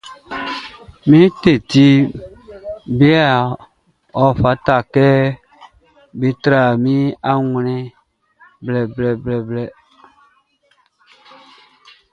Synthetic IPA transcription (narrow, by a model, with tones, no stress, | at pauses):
mĩ˦te˨ti˦ | be˦a˦˨ | ɔ˨fa˨˦ta˨kɛ˦ | be˦tɾa˨mĩ˦a˦ŋ˨nĩ˦ | blɛ˨blɛ˨blɛ˨blɛ˨